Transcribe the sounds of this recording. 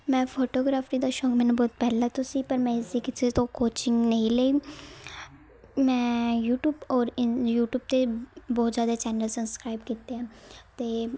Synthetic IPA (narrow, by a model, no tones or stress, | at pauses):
mɛ̃ːpʰoːʈoːɡɾaːfʰɾid̪aʃɔːŋɡmɛ̃ːnabɔːt̪̚pɛːlat̪ʊsipəɾmɛ̃ːɪsikɪset̪õkoːt͡ʃɪ̃ŋɡnəĩlei | mɛ̃ːjuːʈjuːbɔːɾɪjuːʈjuːb̚t̪ebɔːt̪zjaːd̪at͡ʃɛːnəlsəbskɾaːɪbkiːt̪eɛ̃ːt̪eː